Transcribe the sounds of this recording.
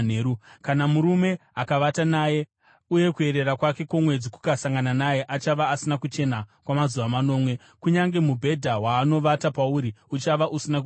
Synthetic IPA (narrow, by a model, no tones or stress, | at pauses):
neːɾukanamuɾume̞akaʋatanaje̞ | uje̞kue̞ɾe̞rakwake̞komwe̞d͡ziku̥kasaŋɡananaje̞ʔat͡ʃaʋaːsinakut͡ʃe̞nakwamazuʋamano̞ːmwe̞ | kuɲaŋɡe̞mubʱe̞dʱawaːno̞ʋatapauɾiut͡ʃaʋaʔusinak